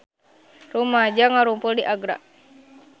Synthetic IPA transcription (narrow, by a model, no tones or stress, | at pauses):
rumad͡ʒaŋaɾumpuldiʔaɡɾa̰